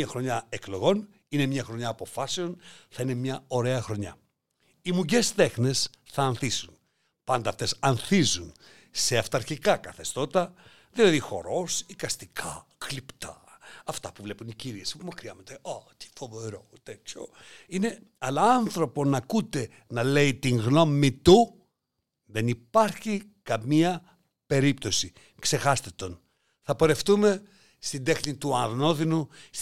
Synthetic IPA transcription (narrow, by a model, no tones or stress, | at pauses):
ɐxɾo̞ɲɐeklo̞ɣo̞n | ine̞mɲɐxɾo̞ɲɐːpo̞fɐseo̞nθɐine̞mɲɐo̞ɾe̞ɐxɾo̞ɲɐ̰ | imuɲɟe̞st̪e̞xne̞sθɐːnθisun | pɐnd̪ɐːft̪e̞sɐnθizun | se̞ɐft̪ɐɾçikɐkɐθe̞st̪o̞t̪ɐ | ðilɐðixo̞̰ɾo̞sikɐst̪ikʰɐklipt̪ʰɐɐft̪ɐpuvle̞puniciɾiesomɐkɾiɐmɐt̪eot̪i̥fo̞ve̞ɾot̪etso̰ | ine̞ | ɐlɐɐnθɾo̞po̞nɐkut̪e̞ | nɐle̞it̪iŋɣno̞mit̪u | ðe̞nipɐɾçikɐmiɐ | pe̞ɾipt̪o̞si | kse̞xɐst̪e̞t̪o̞n | θɐpo̞ɾe̞ft̪ume̞ | st̪ind̪e̞xnit̪uɐɾno̞ðinus